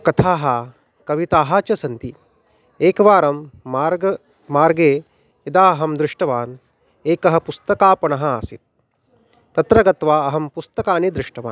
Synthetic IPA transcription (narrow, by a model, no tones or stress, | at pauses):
kɐt̪ʰaːɦɐ | kɐʋit̪aːɦaːt͡ʃɐsɐnt̪i | eːkɐʋaːɾɐmːaːɾɡɐ | maːɾɡeː | id̪aːɐɦɐmd̪ɾɪʂʈɐʋaːn | eːkɐɦɐ̆pust̪ɐkaːpɐɳɐɦɐ̆aːsit̪̚ː | ɐt̪ɾɐɡɐt̪ʋaːɐɦɐmpust̪ɐkaːned̪ɾɪʂʈɐʋa̰ːn